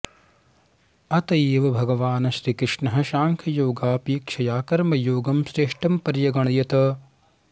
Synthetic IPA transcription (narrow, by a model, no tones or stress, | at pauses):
ɐt̪ɐeːʋɐbʱɐɡɐʋaːnɐʃɾiːkɾɪʂɳɐɦɐ̆ʃaːŋkʰɐjoːɡaːpiːkʃɐjaːkɐɾmɐjoːɡɐmsɾeːʂʈɐmpɐɾjɐɡɐɳ̃ɐjɐt̪ɐ